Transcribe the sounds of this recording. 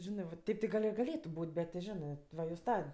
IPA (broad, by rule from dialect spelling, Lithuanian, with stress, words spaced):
ˈʒʲɪnɜ ʋɐ ˈtʲɛɪp tʲɪ ˈɡɐlʲ ɪ ɡɐˈlʲeːtʊ ˈbuːtʲ bʲɛt tʲɪ ˈʒʲɪnɜ ʋɐ joːs ˈtɐ